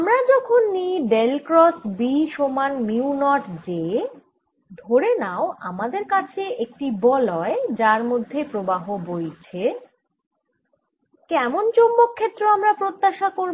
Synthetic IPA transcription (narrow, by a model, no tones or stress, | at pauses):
amɾad͡ʑɔkʰonːijɖelkɾɔsbiʃomanmiunɔʈd͡ʑe | d̪ʱoɾenaoa̰mad̪eɾkat͡ɕʰeʔek̚ʈibɔlɔed͡ʑaɾmod̪ʱːepɾobaɦobojt͡ɕʰe | kɛmont͡ɕombokʰːet̪ːɾoamɾapɾot̪ːaʃakoɾ